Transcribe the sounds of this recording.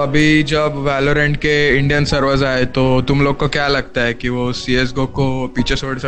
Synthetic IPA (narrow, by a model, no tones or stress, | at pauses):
ɐbʱid͡ʒɐbʋæːloɾẽːɳɖkeɪ̃ɳɖijənsəɾʋəɾzaːet̪ot̪ʊmloːɡ̚kokjalɐɡ̚t̪aɦɛkiʋosies̬ɡokopiːt͡ʃʰesoːɽsɐ